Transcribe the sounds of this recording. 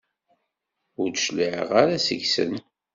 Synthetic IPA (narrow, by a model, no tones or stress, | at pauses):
ʊɾd̪ʃliʕə̰ʁaɾasə̰ʝsə̰n